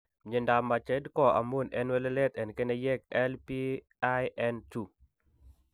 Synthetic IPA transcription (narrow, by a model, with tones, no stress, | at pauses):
ɲe˨nda˨mːa˨t͡ʃɛ˦dkɔ˦ʔa̰˨mu˦˨nɛ˦nwɛ˦le˦le˦t̪ɛ˨nke˦nɛ˦jɛ˦k̚ɛ˦lpi˦ | a˦jʔɛ˦ntu˨